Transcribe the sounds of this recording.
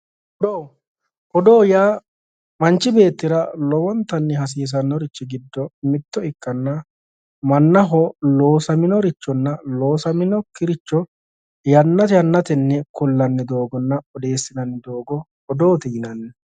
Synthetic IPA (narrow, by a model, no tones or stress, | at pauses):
ɔd̪oː | ʔɔd̪o̞ːjaː | mɐnt͡ʃːɪbe̞ːt̪ːɪɾɐlɔwɔnt̪ːɐnːɛɦɐs̬iːs̬ɐnːɔɾɪt͡ʃːɪɡɪd̪ːɔmɪt̪ːɔɪkːɐnːɐ | mɐnːɐɦɔlo̞ːsɐmɪnɔɾɪt͡ʃːɔnːɐlo̞ːsɐmɪnɔkɪɾɪt͡ʃːɔ | jɐnːɐt̪ɛjɐnːɐt̪ɛnːɛkʊlːɐnːɪd̪o̞ːɡɔnːɐɔd̪e̞ːsːɪnɐnːɪd̪oːɡɔ | ɔd̪oːt̪ɛɪnɐnːɛ